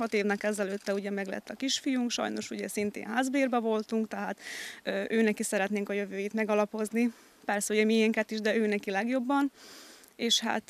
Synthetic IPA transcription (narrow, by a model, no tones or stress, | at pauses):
hɒt̪eːvnɛkɛzɛløːt̪ːɛuɟɛmɛɡlɛ̰t̪ʰːɒkiʃfijuŋkʃɒ̰jno̞ʃuɟɛsint̪ḛːnɦaːzbeːrbɛvo̞lt̪uŋkt̪ɛɦaːt̪øʔøːnɛkisɛɾɛt̪neːŋkɒjø̞vøːjit̪mɛɡɒlɒpo̞zni | pɛrsɛuɟɛmiɛŋkɛt̪iʒd̪ɛøːnɛkilɛɡjo̞bːɒn | eːʃha̰ːt̪